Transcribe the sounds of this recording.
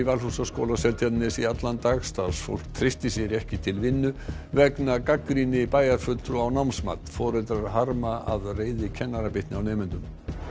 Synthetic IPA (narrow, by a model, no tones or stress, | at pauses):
ivalhusaskowlasɛlt̪ʰjat̪nɪsiat̪lant̪aɣst̪aðsfo̰wl̥kt̪ʰɾɪst̪ɪsjɛɾɛhcɪt̪ʰɪlvɪnːʏ | vɛknakakɾinɪpaːjaɾ̥fʏt̪ɾʏawnawmsma̰t̪fɔːɾɛt̪ɾaɾɦaɾmaaðreːjðɪcʰɛnːaɾapɪht̪nɪawneːjmɪnt̪ʏm